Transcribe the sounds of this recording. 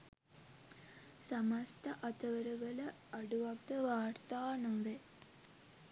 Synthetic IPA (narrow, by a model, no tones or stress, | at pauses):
samast̪əʔat̪əʋəɾəʋələ | aɖuʋak̚d̪əʋaːrt̪aːnoʋe